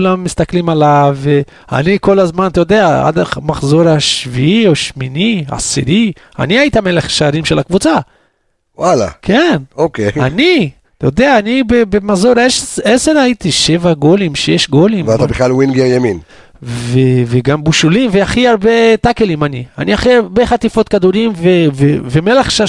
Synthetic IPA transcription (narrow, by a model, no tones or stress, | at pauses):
lamːist̪aklimalave | a̰niko̞lazmant̪ajod̪eaa̰d̪amaχzo̞ɾaʃviioʃminiaa̰siɾi | a̰niait̪ameleχʃaːɾimʃelakvut͡sa | wala̰kʰenokeani | t̪jod̪eaːnibebemazo̞ɾeʃeseɾait̪iʃe̞vaɡo̞limʃejeʃɡo̞limvat̪abiχlalwinɡeʁjamin | veveɡambuʃulimveaχiaʁbet̪akelimania̰niaχiabeχat̪ifo̞t̪̚kad̪uɾimveveveme̞leχʃa